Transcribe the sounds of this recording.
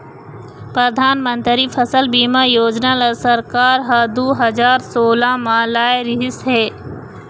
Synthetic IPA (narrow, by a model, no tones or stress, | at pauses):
pɾəd̪ʱaːnmə̃nt̪ɾipʰəsəlbiːmajoːd͡ʒnalasəɾkaːɾɦad̪uːɦɐd͡ʒaːɾsoːlamãːlaːjɾɪɦɪsɦɛː